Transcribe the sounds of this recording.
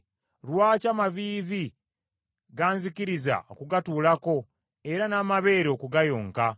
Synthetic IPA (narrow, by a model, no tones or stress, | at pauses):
ɾwaːcamaviːvi | ɡaːnzikiɾiza̰o̰kuɡatuːlako̞ | e̞ɾanaːmaβe̞ːɾo̞ːkuɡajo̞ːŋka